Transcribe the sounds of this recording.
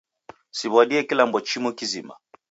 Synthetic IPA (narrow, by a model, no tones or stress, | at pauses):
siβwaɗiɛkilambɔt͡ʃimɔkizima̰